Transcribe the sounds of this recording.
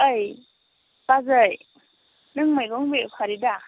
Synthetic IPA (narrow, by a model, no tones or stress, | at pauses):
əj | pazɯj | nɯŋmajkɔŋbepʰaɾida